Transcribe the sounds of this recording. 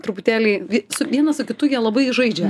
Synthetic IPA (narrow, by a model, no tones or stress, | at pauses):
t̪ɾʊpʊt̪ʲæːlʲɛɪʋʲsʊʋʲiɛnɐsʊkʲɪt̪ʊjiɛlˠɐbɐɪʒɐɪd͡ʒʲɛ